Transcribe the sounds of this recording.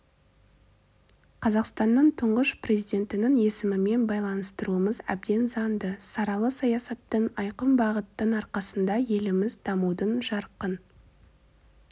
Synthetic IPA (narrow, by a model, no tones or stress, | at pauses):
qʰɑzɑqst̪ɑnːəɴt̪ʰʊɴʁəʃpre̞zijd̪ʲe̞nt̪ɪnɪŋe̞sɪmɪme̞nbɑjlˠɑnəst̪əɾuəməzæ̰b̚d̪e̞nzɑnd̪əsɑɾɑlˠəsɑjɑsɑt̪ːəɴɑjqəmbɑʁət̪ːəɴɑɾqɑsənd̪ɑje̞lɪmɪzd̪ɑmud̪ənʒɑɾqːən